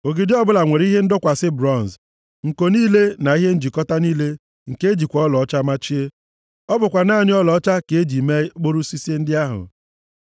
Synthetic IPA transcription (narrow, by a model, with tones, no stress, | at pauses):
o˨ɡi˨dɪ˦ɔ˦bʊ˦la˨ŋʷe˨ɾi˦ɦe˦n̩˦dʊ˦kʷa˨sɪ˦bɾɔ˦˨n˨z | ŋ̩˨ko˨niː˦le˦na˨i˦ɦe˦n̩˦d͡ʒi˨kɔ˦ta˦niː˦le˦ | ŋ̩˨ke˦d͡ʒi˨kʷɔ˨ɔ˦lɔ˨ɔ˦t͡ʃa˦ma˦t͡ʃi˦e˦ | ɔ˦bʊ˨kʷa˨na˦˨nɪ˦ɔ˦lɔ˨ɔ˦t͡ʃa˦ke˨e˦d͡ʒi˨me˦k͡po˦ɾu˦si˦si˦e˦n̩˦dɪ˦a˦ɦʊ̰˨